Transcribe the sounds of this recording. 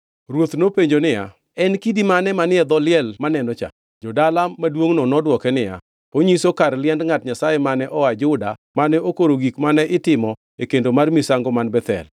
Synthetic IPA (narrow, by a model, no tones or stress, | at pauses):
ɾwot̪nopeɲd͡ʒonɪja̰ | ɛnkidimanɛmanɪɛd̪ɔlɪɛlmanɛnɔt͡ʃa̰ | d͡ʒɔdalamːadwoŋnɔnɔdwɔkɛnɪja̰ | oɲisokarlɪɛndŋatɲasajɛmanɛʔɔwad͡ʒʊdamanɛokoɾoɡikmanɛʔɪtɪmɔ | ekendomarmisaŋɡɔmanbɛt̪ɛ̰l